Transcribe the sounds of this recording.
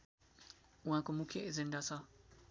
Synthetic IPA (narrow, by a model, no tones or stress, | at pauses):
wãkumukʰeʔzɪndasa